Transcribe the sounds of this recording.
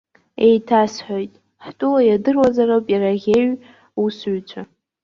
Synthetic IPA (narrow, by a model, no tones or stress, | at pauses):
ejtʰasħojtʼ | ħtʼʊlajadɨrwazarapʼjaɾaɣʲeɥ | usɥt͡ɕʷʰa